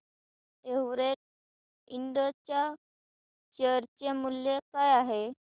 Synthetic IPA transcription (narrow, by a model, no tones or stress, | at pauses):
eʋɾeʈ̚ | iɳɖət͡ɕja | ɕəɾt͡ɕemuljekajaɦe